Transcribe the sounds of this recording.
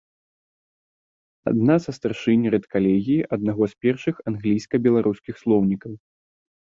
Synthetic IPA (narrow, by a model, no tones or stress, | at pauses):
a̰d̪nasɐst̪arʂɨnʲɾɛt̪kalʲɛɣʲijiʔɐd̪naɣɔspʲɛrʂɨxanɣlʲijskɐbʲɛlˠaɾʔuskʲixslˠɔwnʲikɐw